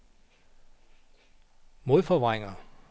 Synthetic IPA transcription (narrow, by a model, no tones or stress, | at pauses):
mo̝ðˠfɒʋʁaŋɐ